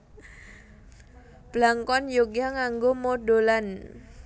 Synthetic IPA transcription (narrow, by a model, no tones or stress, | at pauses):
b̥laŋkɔnjoɡaŋaŋɡomodolan